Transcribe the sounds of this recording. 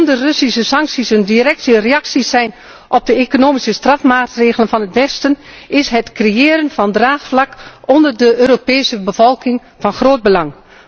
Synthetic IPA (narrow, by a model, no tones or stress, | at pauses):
ndərɵsisəsɑŋksisəndirɛk̚təreɑksisɛjn | ʔɔb̚dəekonoːmisəstrɑfmaːtreːɣələnvɑnətʋɛstənɪsɦətkrejɪːəɾənvɑndraːχflɑkɔndərdəøːɾopɛːsəbəv̥ɔlˠkɪŋ | v̥ɑnχroːd̚bəlɑŋ